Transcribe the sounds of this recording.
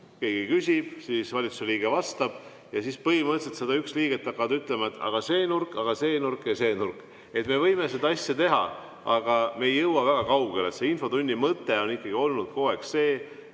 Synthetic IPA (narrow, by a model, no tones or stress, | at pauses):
ke̞ːɡ̥ikysʲib̥siːsvɑlʲit̪suseliːɡ̥e̞vɑst̪ɑb̥ | jɑsispɤhimət̪set̪se̞d̪ɑyksliːɡ̥et̪ːˑɑkˑːɑvɑd̪yt̪ˑle̞mɑet̪ːɑ̰ɡ̥ɑse̞ːnurkːˑɑɡ̥ɑse̞ːnurkːˑese̞ːnurkːˑ | e̞t̪me̞vɤjme̞se̞d̪ɑɑsʲjɑt̪e̞ɦɑ̰ | ɑɡ̥ɑme̞ːjːɤwːɑvæɡ̥ɑkɑwɡelḛt̪se̞info̞t̪unʲːimɤt̪ːˑe̞o̞nikːˑɑɡ̥io̞lnud̪̥ko̞ːe̞ksse̞ː